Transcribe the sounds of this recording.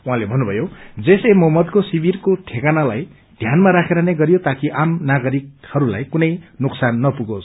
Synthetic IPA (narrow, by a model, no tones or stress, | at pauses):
uɦãlebʱʌnːubʱʌjod͡zesemʌɦmʌd̪kosibirkoʈʰekanalaj | d̪ʱjanmaɾakʰeɾʌneɡʌɾjot̪akiʔamnaɡʌɾik̚hʌɾula̰jkunʌjnuksanːʌpuɡosʰ